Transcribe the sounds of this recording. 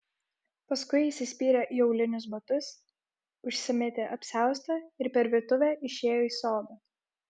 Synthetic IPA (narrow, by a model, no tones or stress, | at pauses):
pɐskʊɪɪːsʲɪsʲpʲiːɾʲɛʔjɛʊlʲɪnʲʊs̬bɐt̪ʊs | ʊʃʲsʲɪmʲɛt̪ʲeʔɐpʲsʲæˑʊst̪ɐɪɾpʲɛɾʋʲit̪ʊʋʲɛːʔɪʃʲeːjoːiːsoːd̪ɐ